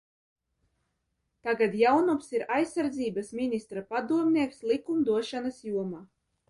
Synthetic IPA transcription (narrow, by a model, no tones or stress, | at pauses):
t̪aɡad̪jawnumsiɾajsːaɾd̪ziːbasminist̪ɾapad̪uɔmnʲiɛkslˠikumd̪uɔʃanasjuɔmaː